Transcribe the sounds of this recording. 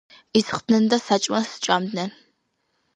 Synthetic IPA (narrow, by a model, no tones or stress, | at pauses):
izχtnɨndɐsat͡ʃʼmɐsɨ̥t͡ʃʼaːmdnɐ